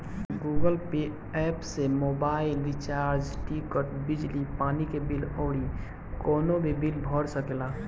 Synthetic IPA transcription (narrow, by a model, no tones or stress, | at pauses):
ɡuːɡəlpe | ɛːpsemoːbaːɪlːɪt͡ʃaːɾd͡ʒʈikəʈbɪd͡ʒlipaːnikebɪlɔːɽi | kɔːnobʱibilbʱɔɽsəkelaː